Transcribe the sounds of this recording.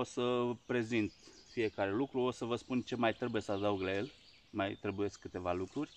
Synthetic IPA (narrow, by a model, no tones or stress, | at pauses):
o̞səpɾe̞zint̪fije̞kaɾe̞lukɾuo̞səvəspunt͡ʃe̞majt̪ɾe̞buje̞səad̪auɡlaje̞l | majt̪ɾe̞buje̞skkɨt̪e̞valukɾurʲ